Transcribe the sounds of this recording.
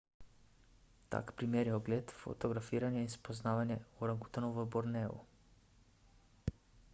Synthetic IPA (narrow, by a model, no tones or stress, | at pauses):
t̪a̰kpɾimeːɾjɛɔɡleːt̪fo̰t̪ɔɡɾafiːɾanjɛinspoznaːʋanjɛuɾaŋku̥t̪anɔvəbɔɾnɛːṵ